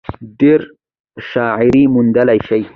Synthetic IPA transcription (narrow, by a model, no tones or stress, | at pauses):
d̪ɪɾ | ʃɑːʕɪɾimund̪alajʃaj